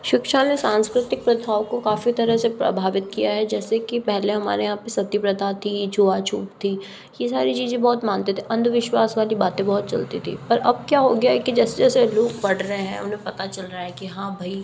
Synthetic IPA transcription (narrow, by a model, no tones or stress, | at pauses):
ʃɪkʃanesãːnskɾɪt̪ɪk̚pɾɐd̪ʱaːʋkokaːfit̪ɐɾəɦsepɾɐ̰bʱaːʋɪt̪̚kijaɦɛd͡ʒɛːsekipɛɦlẽɦɐma̰ːɾejɦãpesɐt̪jipɾɐd̪ʱat̪ʰid͡ʒʰuat͡ʃʰuːʈt̪ʰiː | jesaːɾit͡ʃiːzẽbɔːt̪mãːnt̪et̪ʰeʔɐ̃nd̪ʱʋɪʃwaːsʋaːlibaːt̪ẽbɔɦɔt̪t͡ʃɐ̰lt̪it̪ʰḭːpɐɾɐb̚kjaːɦoɡɐjaɦɛkid͡ʒɛːsed͡ʒɛːseloːɡ̚pɐɽɾəɦeɦɛ̰̃ʊ̰nɦẽpɐt̪at͡ʃɐlɾaaɦɛkiɦãːbʱɐi